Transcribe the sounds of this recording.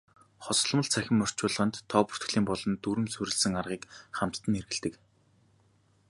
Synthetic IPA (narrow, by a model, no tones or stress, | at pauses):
χɔs̆ɮmə̆ɮt͡sʰæxʲɪ̆mːœr̥t͡ɕʊːɮə̆ʁə̆nt̪ʰːɔːpu̥t̪k̆ɮiːmpɔɮɞ̆nt̪uɾɘ̆msuɾɘ̆ɮsɘ̆ŋarʁiːkχam̥t̪ːə̆nerɣɘ̆ɮt̪ɘ̆k